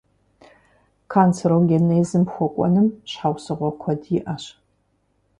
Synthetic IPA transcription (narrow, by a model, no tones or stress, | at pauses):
kʰaːnt͡sʰɐɾoɡʲenejzɨmpxʷɔkʷʼɔ̰nɨmɕħawsɨʁʷɔkʷʰɔdjɪʔɐɕ